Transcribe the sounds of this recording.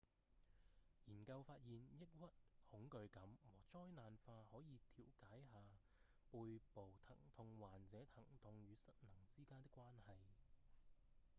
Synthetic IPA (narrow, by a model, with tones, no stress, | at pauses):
jiː˨˩nkɐ˧wfaː˧t̚jiː˨njɪ˥k̚wɐ˥t̚hʊ˨˥ŋkɵ˧ɥkɐ˨˧˥mwɔː˨˩t͡sɔː˥jnaː˨nfaː˧hɔː˨˥jiː˨˧t̪ʰiː˨˩wkaː˨˥jɦaː˨ | puː˧jpo˨˩wt̪ʰɐ̰˨˩ŋt̪ʰʊ˧ŋwaː˨nt͡sɛː˨˥t̪ʰɐ˨˩ŋt̪ʊ˧ŋjyː˨˧sɐ˥t̚nɐ˨˩ŋt͡siː˥kaː˥nt̪ɪ˥kːʷwaː˥nhɐ˨j